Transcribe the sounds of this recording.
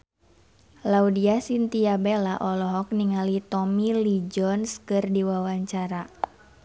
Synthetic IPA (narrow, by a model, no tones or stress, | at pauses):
laudiasint̪iabelaʔɔlɔɦɔk̚niŋalit̪ɔmilid͡ʒɔnskɨrdiwawaɲt͡ʃaɾa